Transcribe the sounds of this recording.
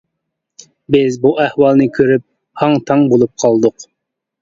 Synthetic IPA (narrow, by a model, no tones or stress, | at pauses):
bɪzbuʔɛhwɑlˠnɨkʲʰøɾyp̚ | hɑŋt̪ʰɑŋbolˠup̚qʰɑlˠd̪ʊq